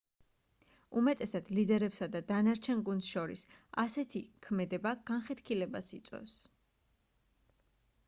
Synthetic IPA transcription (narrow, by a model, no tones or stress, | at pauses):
umɛt̪ʼɛsad̪̥lid̪ɛɾɛpsad̪ad̪anaɾt͡ʃʰɛnɡund̪sʃɔɾḭsasɛt̪ʰikʰmɛd̪ɛbaɡ̥anχɛt̪ʰkʰilɛbasit̪sʼɛ̰s